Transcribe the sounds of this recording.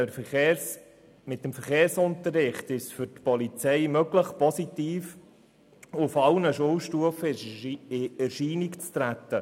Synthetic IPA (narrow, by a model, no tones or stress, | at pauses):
mɪt̚əmfəɾχeːrsʊntərːɪχtɪʃfʏɾtpɔlit͡sɛɪmœɡləχpɔsitiːf | ʊfɑlnəʃowʃtuəfəɪɛrʃiːnikt͡st̪ɾæt̪ːə